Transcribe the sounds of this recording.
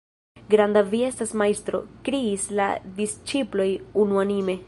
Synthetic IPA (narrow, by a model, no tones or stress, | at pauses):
ɡɾandavie̞stasmajst̪ɾo̞̰kɾiːsla̰dist͡ʃiplo̞junuanime̞